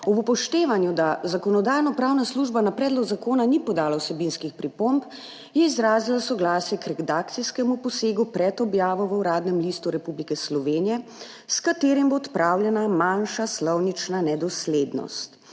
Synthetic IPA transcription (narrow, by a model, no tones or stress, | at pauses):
ɔbupɔʃt̪eːʋanjud̪azakɔnɔd̪aːjnɔpɾaːwnasluʒbanapɾɛːd̪lɔɡzakoːnanipɔd̪aːlawsɛbinskixpɾipomp | jɛizɾaːzilasɔɡlaːsjɛkɾɛd̪aːk̚t̪sijskɛmupɔseːɡupɾɛt̪ɔbjaːʋɔʋəuɾaːd̪nɛmliːst̪uɾɛpublikɛslɔʋeːnijɛ | skat̪eːɾimbot̪pɾʔaːwljɛnamanʃaslɔwnit͡ʃnanɛd̪ɔsleːd̪nɔ̰st̪